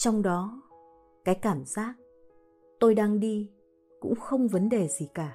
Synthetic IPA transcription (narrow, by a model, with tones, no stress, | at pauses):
t͡ɕɔ˧wŋ͡mɗɔ˨˦ | kaː˨˦jkaː˧˩mzaː˦˥k̚ | t̪o˧jɗaː˧ŋɗi˧ | kʊ̰˧˥ŋ͡mxə˧wŋ͡mvə˨˦nɗe˨˩zi˨˩kaː˧˩